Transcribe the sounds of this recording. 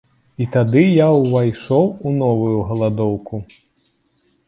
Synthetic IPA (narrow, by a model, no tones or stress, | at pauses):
it̪ad̪ɨjawvajʂɔwunɔvujuɣɐlˠad̪ɔwku